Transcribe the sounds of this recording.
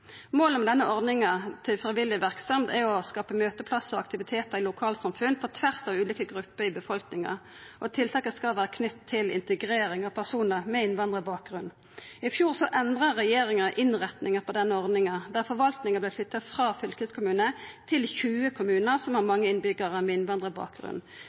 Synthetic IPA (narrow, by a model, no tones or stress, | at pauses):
moːləmɛd̪ɛnːəʔɔʁd̪nɪŋɑt̪ʰɪfʁɪʋɪlɪʋæʁksɑmt̪æɾɔskɑːpəmøːt̪əpʰlɑsɔɑ̰k̚t̪ɪʋɪt̪ʰeːt̪əʁɪlʊkʰɑːlsɑmfʉnpʰɔt̪ʰʋæʁsɑːʋʉːliːkəɡɾʉpːəʁɪbəfɔlknɪŋɑ̰ | ʔɔt̪ʰɪlt̪ʰɑːkəskɑlʋæːʁəkʰnʏt̪ʰːɪlɪ̰nt̪əɡʁeːɾɪŋɑʋpʰæʁsuːnəʁmɛɪnʋɑnd̪ʁəbɑːk̚ɡʁʉnː | ɪfjuːʁsɔʔɛnd̪ʁəːɛjeːɾɪŋəʔɪnʁɛt̪nɪŋəpʰɔd̪ɛnːəɔʁd̪nɪŋɑd̪æʁfɔɾʋɑlt̪nɪŋəɑblɛɪflʏt̪ːɑfʁɑːfʏlkøːskʊmʉːnət̪ʰɪlçʉːəkʰʊmʉːnəʁsɔmhɑʁmɑŋːəɪnbʏɡəʁəmɛɪnʋɑnd̪ʁəbɑ̰ːk̚ɡʁʉ̰nː